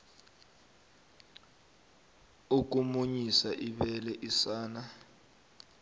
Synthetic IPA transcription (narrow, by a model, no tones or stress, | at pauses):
uk̬umuɲisaʔiɓɛlɛʔisaːna